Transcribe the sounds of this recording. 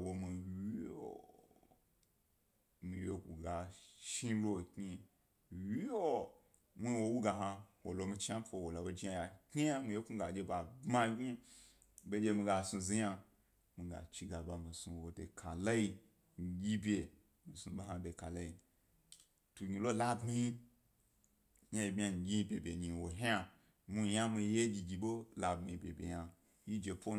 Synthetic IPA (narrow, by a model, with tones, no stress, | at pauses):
wo˧mi˧wi˦o̰˨ | mi˧jo˧ku˨ɡa˨ʃi˦lo˦˨ki˦ | wi˦o˦ | mi˦wo˧wu˦ɡa˧ɦa˧wo˨lo˧mi˧t͡ʃi˦a˦fo˧˨wo˨la˨wo˧d͡ʒi˦ja˧ja˨ki˦a˦mi˨˧je˦ku˦ɡa˨d͡ʒʲe˧ba˨bma˦ɡʲi˦ | be˦d͡ʒʲe˧mi˧ɡa˧sũ˧zi˧ɲa˧ | mi˧ɡa̰˨t͡ʃi˧ɡa˨ba˧mi˨su˧wo˨de˨kʰa˨la˦i˧˨ | ɡʲi˦bʲe˨ | mi˨sũ˧ɓo˦ɦa˧de˧˨ka˨la˦i˧ | tu˧ɡʲi˧lo˦la˦bmi˦i˦ | ɲa˦ji˧bʲa˧ŋ̩˨ɡʲi˦i˧bʲe˨bʲe˨ni˨wo˨ɦa˧ | mi˧ja˦mi˧je˦d͡ʒʲi˧ɡʲi˧ɓo˦la˧bi˧i˧˨bʲḛ˨bʲḛ˨ja˧ | ji˦d͡ʒe˧po˦